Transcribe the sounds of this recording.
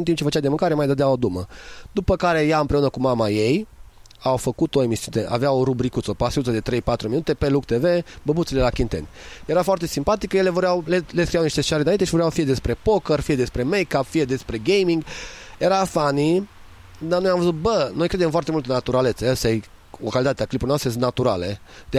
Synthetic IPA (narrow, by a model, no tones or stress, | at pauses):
ɨnt̪imp̚t͡ʃe̞fət͡ʃawd̪emɨŋkaɾemajd̪əd̪eaod̪umə̰d̪upəkaɾe̞jaɨmpɾe̞unəkumamaje̞j | awfəkut̪o̞e̞misiuneʔa̰veaoɾubɾikut̪səpasut̪əd̪e̞t̪ɾejpat̪ɾuminut̪e̞pe̞lukt̪e̞ve̞bəbut̪silelakʲint̪e̞̰nʲ | je̞ɾafoart̪esimpat̪ikjele̞voɾjawleleskɾiawniʃt̪et͡ʃiaɾeiaint̪e̞ʃivoɾjawfijed̪e̞spɾe̞pokərfijed̪espɾe̞mejkapfijed̪e̞spɾe̞ɡejmiŋɡjeɾafani | d̪anujamvəzut̪̚bəno̞jkɾe̞d̪emfoart̪emult̪enat̪uɾale̞t̪seəsej | okalit̪at̪eaklipuɾinoast̪ɾesɨnat̪uɾa̰led̪̥e